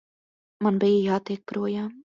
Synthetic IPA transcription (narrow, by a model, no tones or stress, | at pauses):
manbijəjaːt̪ik̚pɾuɔjaːm